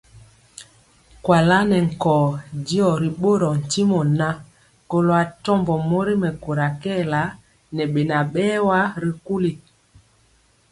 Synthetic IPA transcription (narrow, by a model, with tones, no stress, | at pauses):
kwa˨la˦nɛ˨ŋ̩˨kɔː˨di˦ɔ˨ɾi˨ɓo˦ɾɔ˨n̩˨ti˦mɔ˨na˦ | ko˨lo˨a˨tɔ˦mbɔ˨mo˦ɾi˦mɛ˨ko˨ɾa˨kɛ˦˨la˦ | nɛ˨ɓe˨na˨ɓɛː˦wa˦ɾi˨ku˦li˨